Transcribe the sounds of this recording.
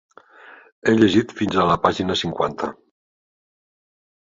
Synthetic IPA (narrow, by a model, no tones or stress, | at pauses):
eʎeʒit̪finzaləpaʒinəsiŋkwant̪ʰə